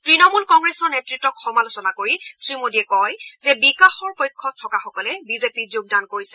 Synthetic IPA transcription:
tɹinɔmulkɔŋɡɹesɔɹnetɹitːɔkxɔmalosɔnakoɹisɹimodiɛkɔjzɛbikaxɔɹpojkʰːɔtʰːɔkaxɔkɔlɛbizepizoɡ̚dankoɹisɛ̥

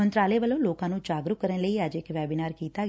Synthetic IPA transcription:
ənt̪ɾaːleːʋəlõːloːkãːnũːd͡ʒaːɡɾʊkəɾənləiːəd͡ʒɪkʋɛːbiːnaːɾkiːt̪aː

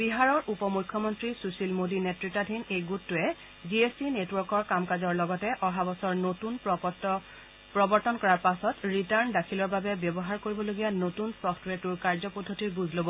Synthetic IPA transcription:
biɦaɹɔɹʔupɔmukʰːjɔmɔntɹisusilmodinetɹitːadʱinejɡutːʊɛ | ziesinetwɔɹkɔɹkamkazɔɹlɔɡɔtɛʔɔɦabɔsɔɹnotun | pɹɔbɔɹtɔnkɔɹaɹpasɔtɹitaɹndakʰilɔɹbabɛbɔbɔɦaɹkoɹibɔloɡijanotunsɔftʰwetuɹkaɹzɔpɔdʱːotiɹɡuzʱlobɔ

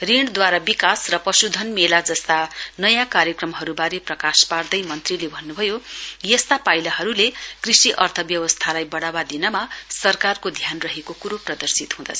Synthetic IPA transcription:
riɳd̪waɾabikasrʌpʌsud̪ʱʌnmelad͡zʌst̪anʌjãkaɾjʌkrʌmɦʌɾubaɾeprʌkaspard̪ʌjmʌnt̪rilebʱʌnːubʱʌjojʌst̪apajlaɦʌɾulekrisiʔʌrt̪ʰʌbjʌwʌst̪ʰalajbʌɽawad̪inʌmasʌrkarkod̪ʱjanrʌɦekokuɾoprʌd̪ʌrsit̪ɦũd̪ʌ̰t͡sʰʌ

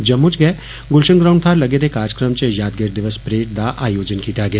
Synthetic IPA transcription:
d͡ʒɐmːut͡ʃɡɐe | ɡʊlʃə̃ŋɡɾaːʊɳɖt̪ʰaːɾlɐɡeːd̪ekaːɾd͡ʒəkɾəmt͡ʃejaːd̪̚ɡeɾd̪ɪʋəspɾeːʈ̚d̪aʔaːjoːd͡ʒənkiːt̪aɡejaː

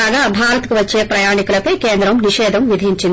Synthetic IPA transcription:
aːɡaːbʱaːɾɐt̪ɐkuʋɐt͡ʃːeːpɾɐjaːɳikulɐpɐjkeːnd̪ɾɐmniʃɛːd̪ʱɐmʋid̪ʱiɲt͡ʃind̪i

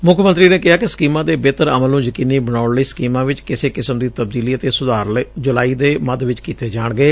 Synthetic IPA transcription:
mʊkʰmə̃nt̪ɾiːneːkɪɦaːkɪsə̥kiːmãːd̪eːbeːt̪əɾəməlũːd͡ʒəkiːniːbəɽ̃aːɳləiːsə̥kiːmãːʋɪt͡ʃkɪseːkɪsəmd̪iːt̪əb̚d̪iːliːət̪eːsʊd̪aːɾld͡ʒʊlaːiːd̪eːməd̪ʋɪt͡ʃkiːt̪eːd͡ʒaːɳɡəeː

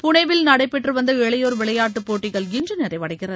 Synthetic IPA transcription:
pʊɳɐɪʋɪlnɐɽɐɪpːɛʈrɯʋɐnd̪ɐɛɭɐjoːɾʋɪɭɐjaːʈːɯpoːʈːɪɣɐɭɡɪnd͡ʒɯnɛɾɐɪʋɐɽɐɪɣɪrɐðɯ

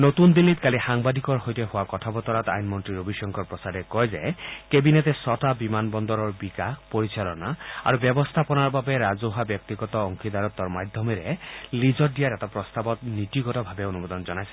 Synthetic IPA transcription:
not̪und̪ilːit̪kalixaŋbad̪ʱikɔɹɦojteɦʊwakɔtʰabɔt̪ɔɾat̪a̰jnmɔntɹiɾobʱiʃɔŋkʰɔɹpɹɔsadɛkɔjzekebinet̪esɔtabimanbɔnd̪ɔɾɔɹbikapoɹit͡ʃʰalɔnaa̰ɹubjɔbɔst̪ʰapɔnaɹbabeɾazoɦabjɔk̚t̪iɡɔt̪ɔːŋkʰid̪ʱaɾɔt̪ːɔɹmad̪ʱjɔmɛɾelizɔdijaɾɛtɔpɹɔst̪abɔt̪nit̪iɡɔtɔbʱabeonubɔd̪ɔnzɔnajsɛ̥

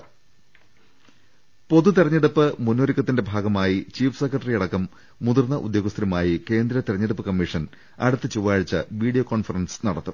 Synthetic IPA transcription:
po̞ðut̪̬irɐɲːeɽupːɨmunːoɾikʲːɐt̪ːinde̞bʱaːɡɐmaːjit͡ɕiːfɨ̥sekːrɐʈɐrijɐɽɐkːɐmː | uðurnːɐʔud̪joːɡɐst̪ɾimaːjike̞ːnd̪ɾɐt̪iɾɐɲːeɽupːɨkɐmːiʂɐn | ɐ̰ɽut̪ːɨt͡ɕuʋaːɻt͡ɕːɐ̰ʋiːɽijoːkoːnfɐrɐnsnɐɽɐt̪ːu

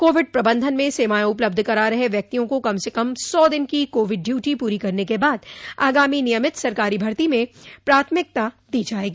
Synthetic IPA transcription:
koːʋɪɖ̚pɾɐbə̃nd̪ʱənmẽseːmaːjõʊpləb̚d̪ʱkɐɾaːɾɐɦeʋjɐk̚t̪ijõkokɐmsekɐmsɔːd̪ɪnkikoːʋɪɖːjuːʈipuːɾikɐɾnekebaːd̪aːɡaːminɪjəmɪt̪sɐɾkaːɾibʱɐɾt̪imẽpɾaːt̪ʰmɪk̚t̪a | d̪iːd͡ʒaːeːɡiː

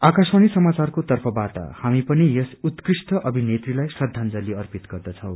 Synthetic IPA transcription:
akaswanisʌmat͡sarkot̪ʌrpʰʌbat̪a̰hamipʌnijʌsut̪krisʈʌʔʌbʱinet̪rilajsʌd̪ʱːand͡zʌliʌrpit̪ɡʌrd̪ʌt͡sʰʌw

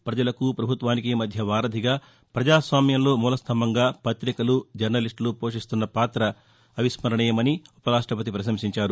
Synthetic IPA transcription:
pɾɐd͡ʒɐlɐkupɾɐbʱut̪ʋaːnikeːmɐd̪ʱjɐʋaːɾɐd̪ʱiɡaː | pɾɐd͡ʒaːsʋaːmjɐmlo̞ːmuːlɐst̪ʰɐmbɐŋɡaːpɐt̪ɾikɐlud͡ʒɐɾnɐliʂʈlupoːʂist̪unːɐpaːt̪ɾɐː | ʋismɐɾɐɳɛjɐmɐniupɐɾaːʂʈɾɐpɐt̪̬ipɾɐʃ̬ɐmsiɲt͡ʃaːɾu

